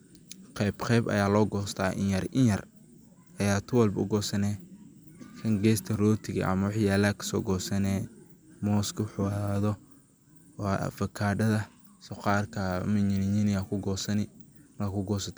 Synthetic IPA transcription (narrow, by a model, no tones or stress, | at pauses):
qɛbqʰɛjbɐ̰jaːlɔːɡɔːst̪ʰa̰ːʔɪ̰njɐɾɪnjɐr | ɐjaːt̪ʰʊwɐlbʊ̰ɡɔːsɐnɛː | kɐŋɡɛːst̪ʰɐrɔːt̪ʰɪɣɐ̰ʔɐ̰mɐwɑħjaːlaːkʰɐ̥sɔ̰ːɡɔːsɐnɛːmɔːskʰʊħʊwaːðɔ | fɐkʰaːɖɐðɐ | sɔqɑːrkʰɐ̰mɐɲɪnɪɲɪnɪɐkʰʊɡɔːsɐnɪmkʰʊɡɔːsɐt̪ʰɛ̥